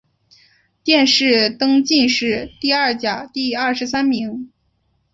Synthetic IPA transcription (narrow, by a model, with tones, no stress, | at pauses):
t̪jɛ˥˧nʂɻ̩˥˩t̪ɤ˥ŋt͡ɕi˥˧nʂɻ̩˥˧t̪i˥˧ɐ˥˩t͡ɕja˨˩t̪i˥˧ɐ˥˩ʂɻ̩˧˥sa˥nmi˧˥ŋ